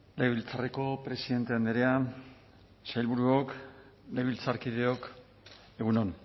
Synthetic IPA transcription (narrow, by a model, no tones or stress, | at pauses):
lejβilt͡sareko̞pɾe̞siðe̞nt̪e̞and̪eɾea | sajlβuɾuok | lejβilt͡saɾkið̞e̞o̞k | e̞ɣunon